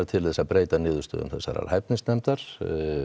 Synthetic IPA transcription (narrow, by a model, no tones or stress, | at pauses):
ɾt̪ʰɪlθɛsːaðpɾeːjt̪anɪːðʏst̪œ̰ðʏ̰mθɛsːa̰ɾa̰ɾhajp̪̚nɪsnɛmt̪aɾ̥